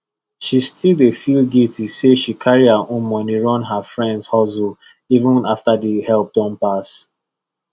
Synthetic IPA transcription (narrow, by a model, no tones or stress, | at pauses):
ʃistʰildefilɡitʰiseʃikʰaɹiaʔõnmɔniɹɔ̃nɦafɹɛ̃ndshɔzul | ivə̃naftadəhɛlp̚dɔ̃npas